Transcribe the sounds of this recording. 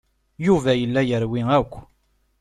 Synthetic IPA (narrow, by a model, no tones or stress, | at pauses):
juvæjəlːæjəɾwiŋækʷː